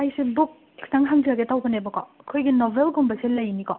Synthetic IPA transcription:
ajsebuk̚ | taŋɦaŋziaɡetawpʰɐnebɐkɔ̰kʰojɡinɔbʱelɡumbɐselɐjnikɔ

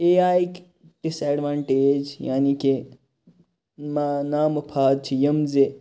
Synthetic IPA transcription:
eːaːik | ʈisɛːɖʋaːɳʈeːd͡ʒja̰ːnike | manaːmupʰaːd̪̚t͡ʃʰijɐmze

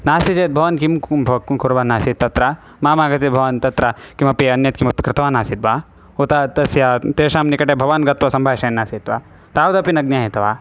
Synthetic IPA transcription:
naːsit͡ʃeːt̪̚bʱɐʋɐnkimbʱɐkuɾʋaːnaːsit̪t̪ːɐt̪ɾa | maːmaːɡɐt̪ibʱɐʋant̪ɐt̪ɾɐkimɐpiɐnjɐt̪̚kimɐpikɾɪt̪ʰɐʋaːnaːsit̪̚baː | ot̪aːt̪ɐsjat̪eːʂaːmnikɐʈeːbʱɐʋanɡɐt̪ʋɐsɐmbʱaːʃɐjnːaːsit̪ʋaː | t̪aːwd̪ɐpinɐɡ̚njaːɦit̪ɐʋaː

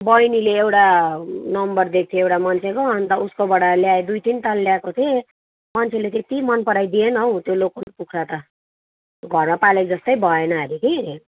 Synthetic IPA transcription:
bʌjnileːwʈanʌmbʌrd̪ek̚ʰt̪ʰiewʈamant͡sʰekoʌnt̪ʌuskobʌɽaljaed̪ujʈ̪int̪alːjakot̪ʰe | mant͡sʰelet̪et̪imʌnpʌɽajd̪ienʌw̃t̪jolokonpukʰɾat̪ʌ | ɡʱʌrmapaled͡zʌst̪ʌjbʱʌenʌɦʌɾik̪ʰini

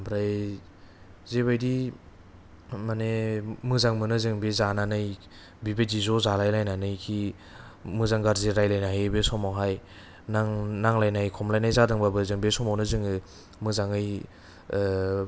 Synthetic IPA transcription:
bʰɾaj | zeβajdi | manemɯzaŋmɯnɯzɯŋbezananɯj | bibedizɔzalajlajnanɯjkʰi | mɯzaŋɡaɾziɾajlajnaɦebesɔmawɦaj | naŋnaŋlajnajkʰɔmlajnajzadɯŋbabɯzɯŋbesɔmawnɯzɯŋɯ | mɯzaŋɯj

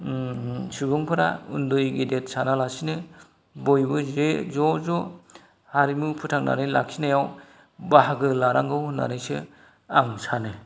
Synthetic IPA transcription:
subɯŋpʰɯɾa̰ṵndujɡidet̚sanalasinɯ | bojbɯzezɔzɔ | haɾimupʰutʰaŋna̰nɯjla̰k̚sʰinajaw | baɦaɡɯlaɾaŋɡɯwna̰nɯjsɯ | aŋsʰanɯ

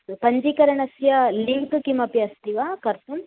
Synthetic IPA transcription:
pɐɲd͡ʒikɐɾɐɳɐsjɐliŋkkimɐpiɐst̪iʋaːkɐɾt̪um

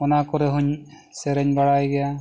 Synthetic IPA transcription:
ɔnakɔɾɛɦuɲ | sɛɾɛɲbaɽajɡɛja

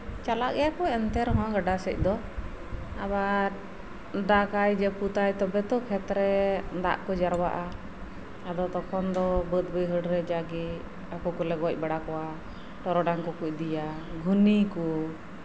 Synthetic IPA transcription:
t͡ʃalaʔɛjakɔɛnt̪ɛɾɦɔ̃ɡaɖasɛc̚ˀd̪ɔ | abaɾ | d̪akajd͡ʒɛput̪ajt̪ɔbɛt̪ɔkʰɛt̪ɾɛd̪a̰ʔkɔd͡ʒaɾwa̰ʔa | ad̪ɔt̪ɔkʰɔnd̪ɔbət̪̚bəjɦəɽɾɛd͡ʒaɡi | akukɔlɛɡac̚baɽakɔwa | ʈɔɾɔɖaŋkɔkuc̚d̪ijaɡʱuniku

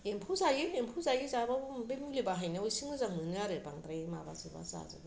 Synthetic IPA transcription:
empʰuzaɡiempʰuzaɡizabambemulibaɦajnɯojsiŋɯzaŋnɯnjaɾɯbaŋdɾajma̰ba̰zɯba̰za̰zɯ̰b

